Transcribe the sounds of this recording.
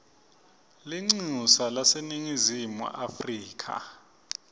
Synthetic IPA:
liŋ͡ǀusalaseniŋizimṵʔafriːkʰa̰

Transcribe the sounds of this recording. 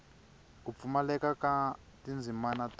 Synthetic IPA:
kup̪fumalɛkaka | tind͡zʱimanat

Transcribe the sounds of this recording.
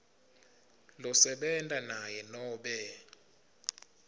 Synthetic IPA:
lɔsɛɓɛntʼanajɛnɔːɓɛ

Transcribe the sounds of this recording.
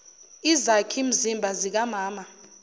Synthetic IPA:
izakʰim̩zimbʱazik̬amaːma

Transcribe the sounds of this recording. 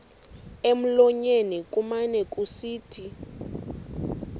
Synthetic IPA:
em̩lɔɲenikʼumanɛkʼusiːtʰi

